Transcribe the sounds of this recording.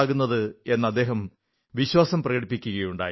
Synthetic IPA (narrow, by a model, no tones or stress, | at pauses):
ɣunːɐðɨe̞nːɐd̪ːe̞ːɦɐm | ʋiɕwaːsɐmprɐɣɐɽipːikʲːuɣɐjuɳɖa̰ː